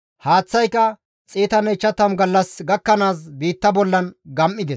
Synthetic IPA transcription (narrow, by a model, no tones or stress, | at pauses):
haːt͡sːɐjkɐ | t͡sʼiːt̪ɐnɛt͡ʃːɐt̪ːɐmɡɐlːɐsɡɐkːɐnaːs̬biːt̪ːɐbɔlːɐnɡɐmʔːɪd̪ɛs